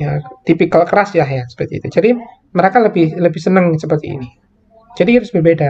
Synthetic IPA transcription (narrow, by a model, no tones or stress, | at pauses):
jat̪ipikəlkəɾasjaɦjasə̥pərt̪iḭt̪ud͡ʒadi | məɾakaləbɪhləbɪhsənəŋsəpərt̪ḭḭni | d͡ʒadikiɾʊsbərbeda